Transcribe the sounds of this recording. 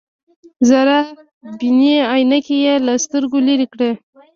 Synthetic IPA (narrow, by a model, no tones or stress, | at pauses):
zaɾa | biniajnakejelast̪əɾɡoliɾikɽe